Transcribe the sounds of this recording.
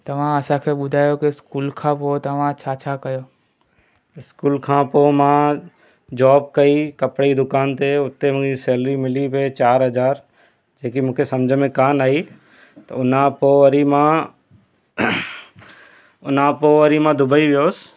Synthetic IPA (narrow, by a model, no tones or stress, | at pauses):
t̪ɐʋ̤ãəsãːkʰeːɓʊd̪ʱaːjoːkeskuːlkʰãːpot̪ɐʋ̤ãt͡ʃʰaːt͡ʃʰakəjoː | ɪskuːlkʰãːpomãː | d͡ʒɔːb̚kəiːkəpɽid̪ʊkaːnt̪eʊt̪ːemũiseːlɾimɪlipet͡ʃaːɾɦəd͡ʒaːɾ | d͡ʒeːk̬imũːkʰesəmd͡ʒʱmẽkaːnaːiː | t̪əʊnãpoːʋəɾimãː | ʊnãpoʋəɾimãːd̪ʊbəiʋɪjoːs